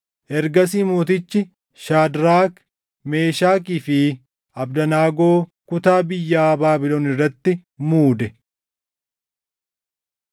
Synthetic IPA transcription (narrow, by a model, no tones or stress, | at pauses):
ʔɛɾɡɐsiːmoːt̪̬ɪt͡ʃːɪ | ʃaːd̪ɾaːk | me̞ːʃaːkiːfɪ | ɐbd̪ɐnaːɡoː | kʊt̪aːbɪjːaːbaːbɪloːnɪrːɐt̪ːɪmuːd̪ɛ